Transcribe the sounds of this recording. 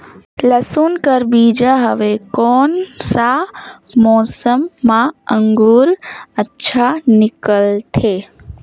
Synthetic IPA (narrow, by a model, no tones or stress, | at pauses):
ləsunkəɾbid͡ʒaɦəʋekɔːnsa | mɔːsəmːãəŋɡuɾətːʃʰanɪkəlt̪ʰe